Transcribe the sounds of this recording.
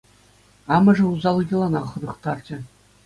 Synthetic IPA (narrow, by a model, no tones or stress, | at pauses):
ɑmɤ̆ʐɘ̆uzɑlˠɤɣʲĭlˠɑnɑχɤ̆nɤ̆χt̪ɑrd͡ʑɘ̆